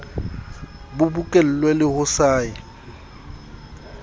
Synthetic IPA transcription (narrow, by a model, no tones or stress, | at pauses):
bʊbukʼel̩lwelɪhʊsaːɪ